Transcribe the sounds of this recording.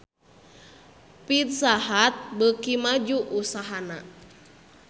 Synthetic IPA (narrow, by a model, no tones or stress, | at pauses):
pit̪̚saɦat̪̚bəkimad͡ʒuʔusaɦana